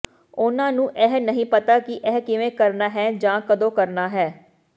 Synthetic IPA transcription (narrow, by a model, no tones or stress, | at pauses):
ʊnãːnũːʔɛɦnəɦĩːpət̪aːkɪʔɛːɦkɪʋẽːkəɾnaːɦɛːd͡ʒãːkəd̪õːkəɾnaːɦɛː